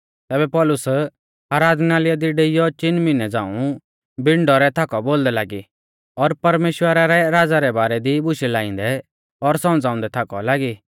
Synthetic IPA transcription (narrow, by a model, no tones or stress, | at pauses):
t̪ɛːbɛpɔlʊs | aːɾaːd̪naːlɪjad̪iɖeːijɔt͡ʃɪnmɪnɛd͡zã̰ːũ | bɪɳɖɔɾɛt̪ʰakɔboːld̪ɛlaːɡi | ɔɾpɐɾmeːʃwəɾaɾɛɾaːd͡zaɾɛbaːɾɛd̪ibʊʃɛlaːɪ̃nd̪ɛ | ɔɾsɐ̃md͡zaːʊ̃nd̪ɛt̪ʰakɔ̰laːɡi